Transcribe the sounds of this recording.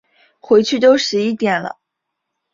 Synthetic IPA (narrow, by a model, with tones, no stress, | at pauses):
xwe˧˥ɪt͡ɕʰy˥˧t̪o˥ʊʂɻ̩˧˥i˥˩t̪jɛ˨˩nlə̰˦